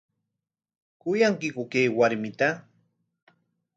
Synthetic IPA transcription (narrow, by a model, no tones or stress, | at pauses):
kʊjaŋkɪkʊkejwaɾmɪt̪a